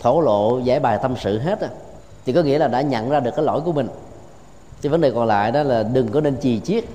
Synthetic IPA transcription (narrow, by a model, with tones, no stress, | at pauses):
t̪ʰo˧˩lo̰˧˨za̰ː˧˩jɓaː˨˩jt̪ə˧msɨ̰˧˨ɦe˦˥t̚ʔ | t̪ʰi˨˩kɔ˨˦ŋḭ˧˥əlaː˨˩ɗa̰ː˧˥ɲə̰˧˨nzaː˧ɨ˨˩əkːaː˨˦lɔ̰˧˩jku˧˩əmï˨˩ŋ̟ | t͡ɕə˨˦və˨˦nɗe˨˩kɔ˨˩nla̰ː˧˨jɗɔ˨˦laː˨˩ɗɨ˨˩ŋkɔ˨˦ne˧nt͡ɕi˨˩t͡ɕi˦˥ət̚